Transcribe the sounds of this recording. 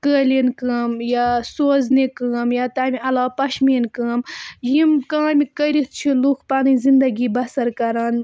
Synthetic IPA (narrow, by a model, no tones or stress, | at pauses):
kəːlinkəːmjasoːznekəːmjaːt̪aːmiɐlaːpɐʃmiːnkəːmjimkãːmikəɾit̪̚t͡ʃʰilukpaːnizind̪ɐɡiːbɐsɐɾkɐɾaːn